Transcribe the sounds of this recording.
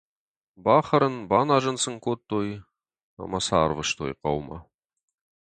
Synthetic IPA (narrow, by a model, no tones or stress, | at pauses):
bɑχəɾənbɑnɑʒənsəŋkʰot̪ʰːoj | ɑ̰mɑsɑɾvəʃt̪ʰo̰jqʰɑ̰wmɑ̰